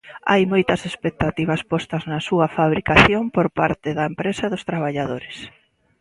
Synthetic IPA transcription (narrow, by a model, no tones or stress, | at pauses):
a̰jmojt̪ɐsespek̚t̪at̪iβɐspɔst̪ɐznɐsuɐfaβ̞ɾikaθjompoɾpaɾt̪ɪðɐempɾesɐðʊst̪ɾaβaʎaðoɾɪs